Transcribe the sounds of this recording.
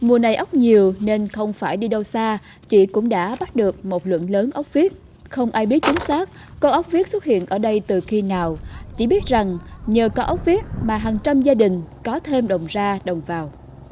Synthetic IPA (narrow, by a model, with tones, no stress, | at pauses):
mu˨˩əna˨˩jʔə˦˥wk͡p̚ɲi˨˩əwne˧nxə˧wŋ͡mfaː˧˩jɗi˧ɗə˧wsaː˧ | t͡ɕi˧˩kʊ̰˧˥ŋ͡mɗa̰ː˧˥ɓa˦˥t̚ɗɨ˨˩ək̚mo˨˩t̚lwɨ̰˧˨ənləː˨˦nʔə˦˥wk͡p̚vi˦˥ət̚ | xə˧wŋ͡mʔaː˧jɓi˦˥ət̚t͡ɕï˨˦ŋ̟saː˦˥k̚ːo˧ʔə˦˥wk͡p̚vi˦˥ət̚su˦˥t̚hḭ˧˨ənʔəː˧˩ɗə˧jt̪ɨ˨˩xi˧naː˨˩wt͡ɕḭ˧˩ɓi˦˥ət̚za˨˩ŋɲəː˨˩kɔ˨˦ʔə˦˥k͡p̚vi˦˥ət̚maː˨˩ɦaː˨˩ŋt͡ɕa˧mzaː˧ɗï˨˩ŋ̟kɔ˨˦t̪ʰe˧mɗə˨˩wŋ͡mzaː˧ɗə˨˩wŋ͡mvaː˨˩w